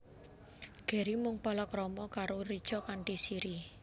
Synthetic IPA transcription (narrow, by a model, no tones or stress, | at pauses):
ɡ̥e̤ɾimʊŋpɔlɔkɾɔmɔkaɾoɾid̥ʒ̥ɔkaɳʈisiɾi